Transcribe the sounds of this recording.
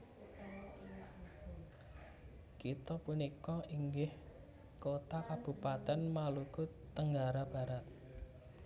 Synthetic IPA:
kit̪ɔpunikɔiŋɡɪh | kot̪akab̥ṳpat̪ɛnmaluku | t̪əŋɡaɾab̥a̤ɾat̪̚

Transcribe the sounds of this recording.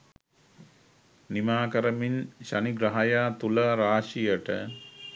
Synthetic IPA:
nimaːkəɾəminɕaniɡɾɐɦajaːt̪uləɾaːʂijəʈə̰

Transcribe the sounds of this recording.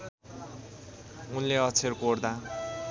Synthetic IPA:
unleʌt͡sʰerkord̪a

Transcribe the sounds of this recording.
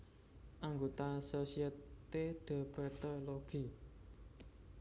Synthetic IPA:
ʔaŋɡot̪asosiəteɖ̪̥a̤bət̪ɔloɡ̥i̤

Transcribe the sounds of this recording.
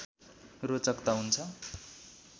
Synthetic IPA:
rot͡sʌkt̪aɦunt͡sʰʌ

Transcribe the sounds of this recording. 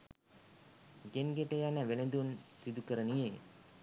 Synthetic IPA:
ɡenɡeʈəjanəʋelend̪unsid̪ukəɾənije

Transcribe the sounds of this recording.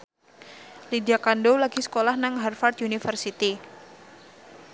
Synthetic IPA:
lidiakandolaɡisə̥kolahnaŋɦɛrfart̪unifərsit̪i

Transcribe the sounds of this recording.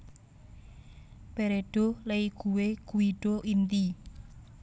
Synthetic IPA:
peɾeɖ̥o̤leiɡ̥uwekuiɖ̥oʔint̪i

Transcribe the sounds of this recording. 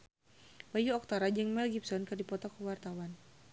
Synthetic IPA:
bajuɔk̚t̪aɾad͡ʒəŋmɛlɡipsɔnkɨdipɔt̪akuwart̪awan

